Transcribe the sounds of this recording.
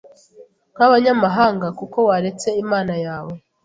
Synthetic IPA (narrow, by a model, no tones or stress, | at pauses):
n̥haβaɲamaɦaːŋɡakuko̞waɾe̞t͡se̞imaːnajaːwe̞